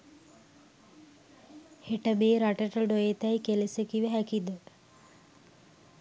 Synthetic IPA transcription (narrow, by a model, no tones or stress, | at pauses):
heʈəmeːɾaʈəʈəɖojet̪æjkelesekiʋəɦækid̪ə